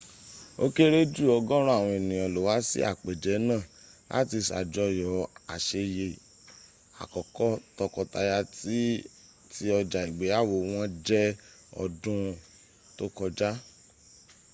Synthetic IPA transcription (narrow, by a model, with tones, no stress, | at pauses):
o˦ke˦ɾe˦d͡ʒu˦˨ɔ˧ɡɔ̃˦ɾ̃ɔ̃˦a˦˨w̃ɔ̃˧e˨nĩ˨ɔ˨lo˨wa˨˦sḭ˦a̰˦˨k͡pe˨d͡ʒɛ˨˦nãː˦˨a̰˦ti˧sa̰˨d͡ʒɔ˧˦jɔ˨a˨ʃe˧je˨ | a̰˨kɔ˨kɔ˦tɔ˧kɔ˧ta˧ja˧ti˦ | ti˦ɔ˧d͡ʒa˨i˨ɡ͡be˨˦a˦˨wo˧˨w̃ɔ̃˦d͡ʒɛ˦ | ɔ̰˧dũ˦ | to˦kɔ˧d͡ʒa˦